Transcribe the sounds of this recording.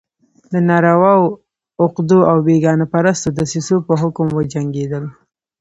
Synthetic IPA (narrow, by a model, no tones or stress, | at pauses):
d̪ənɑɾawɑw | ʊqd̪uawbeɡɑnapaɾast̪od̪əsisopəɦʊkʊmwəd͡ʒaŋɡed̪əl